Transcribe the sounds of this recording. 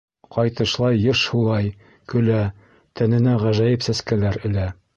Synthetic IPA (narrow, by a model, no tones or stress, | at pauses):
qɑjt̪ɤ̆ʃlˠɑjːɤʃhulˠɑj | kɵ̆læ | t̪ʰænɘ̆næʁæʒæjɘpsæskælæɾɘ̆læ